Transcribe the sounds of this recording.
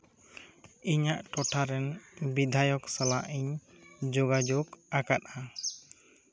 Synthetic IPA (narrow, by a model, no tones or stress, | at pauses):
iɲaʔʈɔʈʰaɾɛnbid̪ʱajɔksalaʔiɲ | d͡ʒoɡad͡ʒokakat̪̚a